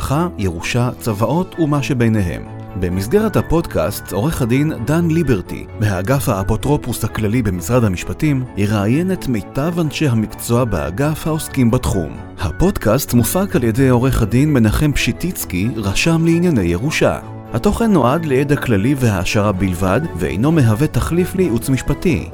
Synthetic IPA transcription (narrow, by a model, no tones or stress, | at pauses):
aχajeʁuʃat͡savaʔo̞tʰumaʃebe̞jne̞ɦe̞̰m | be̞misɡe̞ʁethapo̞dka̰sto̞ʁeχadindanlibe̞ʁtḭvehaːɡafhaːpo̞tʁo̞pushaklalibe̞misʁadhamiʃpatimhiʁaːje̞ne̞tme̞jtavanʃejɦamikt͡so̞abea̰ɡafhao̞skimbatχṵm | hapo̞dkastmufakalje̞dejo̞ʁeχadinme̞naχe̞mpʃitit͡skiʁaʃamleinjane̞jeʁuʃa̰ | hato̞χe̞nːo̞ʔadlejedaklalivehaːʃaʁabilvadveḛjno̞me̞ɦave̞taχliflejiʔut͡smiʃpatḭ